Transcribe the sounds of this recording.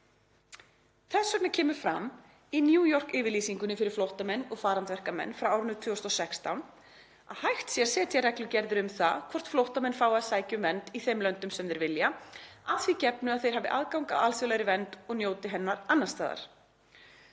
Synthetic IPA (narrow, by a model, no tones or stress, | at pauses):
θɛsːœk̚nacʰɛːmʏɾ̥fɾa̰m | injuːjɔr̥kɪːvɪɾliːsiŋkʏnɪfɪɾɪɾ̥flowht̪amɛnːɔɣfaːɾant̪vɛr̥kamɛ̰nːfɾawaːwɾʏnʏt̪ʰvʏːɔst̪ɔsɛkst̪awn | aðhajht̪sjɛɾ̥sɛːt̪ʰjɛɾɛklʏcɛɾðʏɾʏmθa̰kʰvɔr̥t̪flowht̪amɛnfaːwaðsaːjcʏmvɛnt̪iθejmlœnt̪ʏmsɛmðɛɾvɪljaaðθvicɛpnʏaðθejɾ̥ɦavɪ̰ʔaːðkawŋkaalsʏlajɾɪvɛnt̪ɔɣnjoːwt̪ɪɦɛnːaɾanːast̪aːða̰ɾ̥